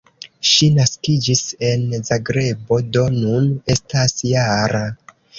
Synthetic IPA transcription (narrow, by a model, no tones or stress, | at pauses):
ʃinaskid͡ʒise̞nzaɡɾe̞bo̞do̞nune̞stasjaɾa